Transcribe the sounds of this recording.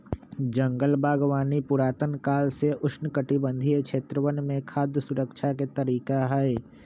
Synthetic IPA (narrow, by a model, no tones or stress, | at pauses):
d͡ʒə̃ŋɡəlbaːɡwaːnipʊɾaːt̪ənkaːlseʔʊʃʰnəkəʈibə̃nd̪ʱiekʃeːt̪ɾəʋənmẽkʰaːd̪jəsʊɾəkʃaket̪əɾiːkaɦɛe